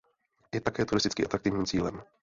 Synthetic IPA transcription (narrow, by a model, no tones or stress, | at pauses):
jɛt̪akɛːt̪uɾɪst̪ɪt͡skḭːʔat̪ɾakt̪ɪvɲiːmt͡siːlɛm